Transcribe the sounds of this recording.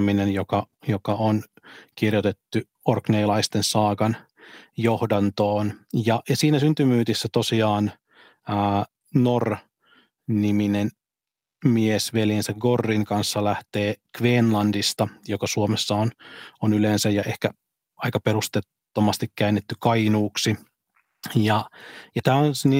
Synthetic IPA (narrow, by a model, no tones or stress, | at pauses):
minenjokɑjokɑon | kirjot̪et̪ːy | orkneilɑist̪ensɑːkɑn | johdɑnt̪oːnjɑʔjɑsiːnæsynt̪ymyːt̪isːæt̪osiɑːn | əː | nor | niminen | miesʋeljensæɡɡorːiŋkɑnsːɑlæht̪eːkʋeːnlɑndist̪ɑjokɑsuomesːɑononylensæjɑʔehkæ | ɑikɑpeɾust̪et̪ːomɑst̪ikkæːnːet̪ːykɑinuːksi | jɑjɑt̪æːonni